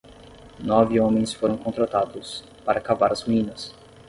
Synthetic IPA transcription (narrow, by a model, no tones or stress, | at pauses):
nɔvɪõmẽj̃sfoɾɐ̃w̃kõnt̪ɾat̪ad̪ʊs | paɾɐkavaɾɐzmĩnɐs